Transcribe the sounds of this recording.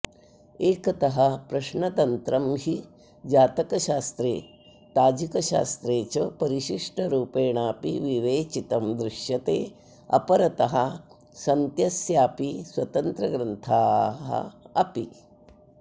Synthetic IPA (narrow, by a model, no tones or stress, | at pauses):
eːkɐt̪ɐɦɐpɾɐʃɳɐt̪ɐnt̪ɾɐmɦi | d͡ʒaːt̪ɐkɐʃaːst̪ɾeː | t̪aːd͡ʒikɐʃa̰ːst̪ɾeːt͡ʃɐpɐɾiʃiʂʈɐɾuːpeːɳaːpiʋiʋeːt͡ʃit̪ɐmd̪ɾɪʃjɐt̪eː | ɐ̰pɐɾɐt̪ɐɦɐ | sɐnt̪jɐsjaːpiswɐt̪ɐnt̪ɾɐɡɾɐnt̪ʰaːɦɐ̰ɐpi